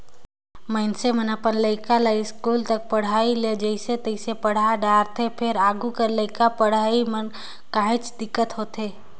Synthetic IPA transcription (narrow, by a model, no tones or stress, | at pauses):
məɪnsemənəpənləɪkaləiskuːlt̪ək̚pəɽ̤aːiled͡ʒəɪset̪əɪsepəɽ̤aɖaːɾt̪ʰepʰɪɾaːɡukəɾləɪkapəɽ̤aːimən | kaːɦɪ̃t͡ʃd̪ɪkːət̪ɦoːt̪eː